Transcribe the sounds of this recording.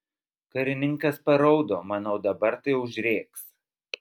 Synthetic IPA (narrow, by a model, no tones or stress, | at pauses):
kɐɾʲɪnʲɪŋˑkɐspɐɾɒʊd̪oːmɑnɒʊd̪ɐbɐɾt̪ɐɪʊʒʲɾʲeːks